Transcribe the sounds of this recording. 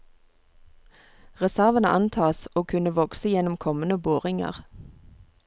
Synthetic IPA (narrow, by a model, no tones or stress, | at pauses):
ʁɛsæʁʋənə̰ʔɑnt̪ʰɑːsoːkʰʉnəʋɔksəjɛnɔmkʰɔmənəboːʁɪŋə̰ʁ